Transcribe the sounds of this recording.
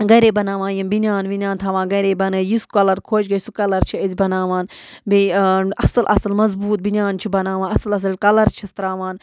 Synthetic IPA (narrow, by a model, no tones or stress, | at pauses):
ɡɐɾeːbɐnaːʋãːjimbinʲjaːnʋinʲjãːnt̪ʰaːʋãːɡɐɾeːbɐnəjiskɐlɐɾkʰoːt͡ʃɡɐsukɐlɐɾt͡ʃʰiɐzʲbɐnaːʋaːn | biɐsɐlʔɐ̰sɐlmɐzbuːt̪̚binʲjaːnt͡ʃʰibɐnaːʋãːɐslɐs̬ɐlkɐlɐɾt͡ʃʰist̪ɾaːʋaːn